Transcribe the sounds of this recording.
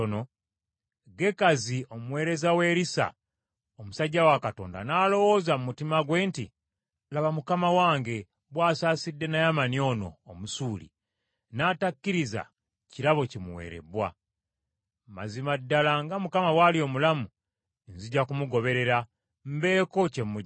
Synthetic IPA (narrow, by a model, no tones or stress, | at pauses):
no | ɡe̞kaziomuwe̞ːɾe̞zawe̞ːɾisa̰ | omusaɟːawakato̞ːnda̰naːlo̞wo̞ːzamumutimaɡwe̞ːntḭ | laβamukamawaːŋɡe̞ | βwaːsaːsidːe̞najamanio̞ːno̞̰ːmusuːlḭ | naːtakːiɾiza̰ | ciɾaβo̞cimuwḛːɾe̞̰bwa̰ | ma̰zimadːalaŋɡamukamawalio̞mulamu | nziɟːakumuɡo̞βe̞ɾe̞ɾa | m̩be̞ːko̞cemu